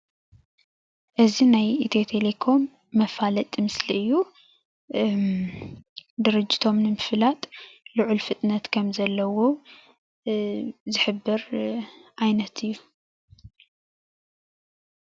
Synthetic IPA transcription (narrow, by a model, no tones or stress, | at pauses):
ʔɨzinajit̪ʰet̪ʰelekʰo̞mː | ɐfalɐt̪ʼmɨsliɨjːu | d̪ɨɾɨd͡ʒːit̪ʰo̞mnɨmɨfɨlat̪ʼlɨʕulfɨt̪ʼnɐt̪kʰɐmzɐlːɐwo | zɨħɨbːɨɾ | ʔajnɐt̪ʰɨjːu